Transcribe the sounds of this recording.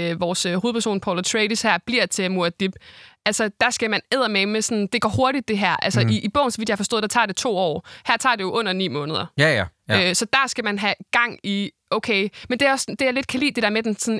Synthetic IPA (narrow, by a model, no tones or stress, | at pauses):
øʋɒːsøhoːð̩ˠpʰæɐso̝̰ːnpʰɒlɐt͡sʰʁɛɪd̥ishæɐ̰b̥liɐ̰t͡sʰe̝muɐd̥ib̥ʔælsɐd̥ɑ̈sɡ̥æmæneð̰ˠɐmemesɔ̽nd̥e̝ɡ̥ɒ̰ːɦo̝ɐɾ̥id̥̚ːe̝ɦæɐ̰ʔælsɐib̥ɔ̽ʊ̰nsɒʋid̥jɑhɑfɒsdɔ̰ð̥ˠɑ̈t͡sʰɑ̰̈ːd̥e̝t͡sʰo̝̰ːɒ̰ːhæɐt͡sʰɑ̰̈ːd̥e̝jo̝ʔɔ̽n̰ɐnḭːmɔ̽ːnəð̞̩ˠɐ | øsɒ̽d̥æɐsɡ̥æmænɦæɡ̥ɑ̈ŋ̰iʔoʊkʰeɪmend̥e̝æɐɒ̽sd̥e̝ale̝d̥̚kʰælḭːd̥e̝d̥æɐ̰med̥ensɒ̽n